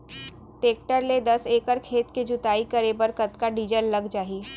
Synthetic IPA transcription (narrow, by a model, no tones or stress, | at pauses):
ʈeːk̚ʈəɾled̪ɐseːkəɾkʰeːt̪ked͡ʒʊt̪aːikɐɾebəɾkɐt̪kaɖiːd͡ʒəlːɐɡd͡ʒaːi